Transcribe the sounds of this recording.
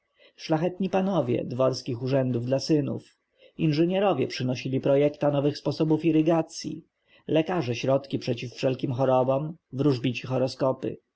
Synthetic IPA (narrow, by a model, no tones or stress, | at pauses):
ʂlaxɛt̪ɲipanɔvʲjɛ̰d̪vɔɾskʲixuʐɛnd̪uvd̪lasɘnṵf | inʐɛɲɛɾɔvʲjɛpʂɘnɔɕilʲipɾɔjɛkt̪anɔvɘxspɔsɔbufiɾɘɡat̪sʲjḭ | lɛkaʐɛɕɾɔt̪kʲipʂɛt͡ɕifːʂɛlkʲimxɔɾɔbɔmvɾuʐbʲit͡ɕixɔɾɔskɔpɘ̰